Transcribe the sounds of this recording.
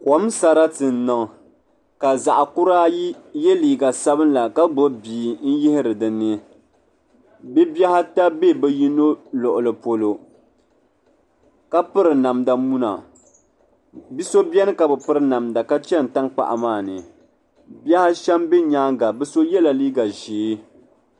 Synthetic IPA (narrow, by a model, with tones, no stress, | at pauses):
ko˨˦m˦sa˨ɾa˦tɨ˨n̩˦nɨ˨ŋ˨ | ka˨za˨ʔa˨kʊ˦ɾaː˦ji˦jɛ˦liː˨ɡa˨sa˦bɨ˦nla˨ka˦ɡ͡bo˦biː˨n̩˦jɪ˦hɪ˦ɾɨ˨dɨ˨nːɨ˦ | bɛ˦bɛ˦ha˦ta˦be˦˨bɛ˦ji˦no˦lʊ˨ʔʊ˨lɨ˨po˨lo˦ | ka˦pɨ˦ɾɨ˨na˨mda˨mu˦na̰˨ | bi˦so˦bɛ˦nɨ˦ka˨bɛ˨pɨ˦ɾɨ˦na˨mda˨ka˦t͡ʃɛ˦n̩˨ta˦ŋk͡pa̰˨ʔa̰˨maː˦˨nɨ˨ | bɛ˦ha˦ʃɛ˦mbe˦ɲaː˦ŋɡa˨bɨ˦so˦jɛ˦la˨liː˦ɡa˨ʒiː˨˦